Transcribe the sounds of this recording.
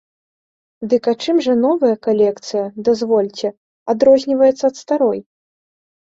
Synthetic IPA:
d̪ɨkat͡ʂɨmʐɐnɔvɐjɐkalʲɛkt̪sɨjɐd̪azvɔlʲt͡sʲɛ | ad̪ɾɔzʲnʲivɐjɛt̪sɐːt̪st̪aɾɔj

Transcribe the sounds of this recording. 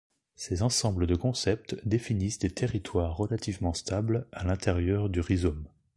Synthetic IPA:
sezɑ̃sɑ̃bləd̪əkɔ̃sɛp̚t̪d̪efinisd̪et̪ʰeʁit̪waʁːəlat̪ʰivmɑ̃st̪ablalɛ̃t̪eʁjœʁd̪yʁizom

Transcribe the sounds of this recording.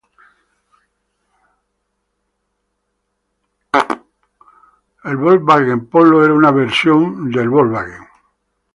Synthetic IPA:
elβolβaɣempoloeɾaunaβeɾsjond̪e̞lβolβaɣḛŋ

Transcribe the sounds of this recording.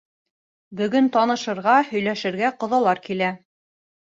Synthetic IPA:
bɵ̆ɡɵnt̪ɑnɤ̆ʃɤ̆ɾʁɑhɵ̆jlæʃɘ̆ɾɡæqŏðɑlˠɑɾkilæ

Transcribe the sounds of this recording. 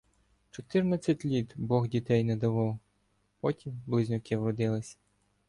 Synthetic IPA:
t͡ʃɔt̪ɪrnɐt͡sʲːɐtʲlʲit̪bɔɣdʲit̪ɛjnɛd̪ɐʋɔw | pɔtʲimblˠɪzʲnʲʊkɪwrɔd̪ɪlˠɪsʲɐ̥

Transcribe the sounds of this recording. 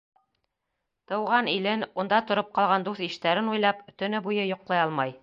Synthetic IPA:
t̪ɤ̆wʁɑnilɘnund̪ɑt̪ŏɾɤp̚qɑlˠʁɑnd̪uθiʃt̪æɾɘnujlˠɑpt̪ɵ̆nɘbujɤjŏqlˠɑjɑlˠmɑj

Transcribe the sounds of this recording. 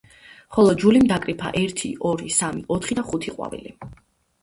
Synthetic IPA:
χɔlˠɔd͡ʒulimd̪akʼɾipʰa̰ʔɛɾt̪ʰḭʔɔɾisamiʔɔt̪ʰχid̪aχut̪ʰiqʼwa̰vḭli

